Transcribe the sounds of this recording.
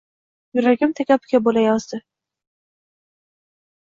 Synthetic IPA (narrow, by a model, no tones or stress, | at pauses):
jʊɾaɡʲɪmt̪ʰakʲapɪ̥ɡʲabolajɒzd̪ɪ